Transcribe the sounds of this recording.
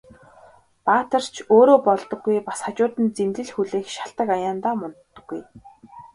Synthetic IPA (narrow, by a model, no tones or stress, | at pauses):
paːt̪ə̆r̥t͡ɕʰoːɾoːpɔɮt̪ɞ̆ɡːujpḁsχat͡ɕʊːt̪ɘ̆nt͡semt̪ɘ̆ɮxuɮeːxʃḁɬt̪ə̆kajaːnt̪aːmɔnt̪ːə̆ɡːuj